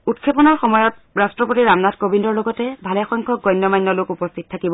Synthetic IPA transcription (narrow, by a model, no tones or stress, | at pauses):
utkʰepɔnɔɹxɔmɔjɔtɹastɹɔpotiɹamnadkobʱindɔɹloɡɔtɛbʱalɛxɔŋkʰɔɡɔjnːɔmajnːɔlʊkupɔstʰit̚tʰakibɔ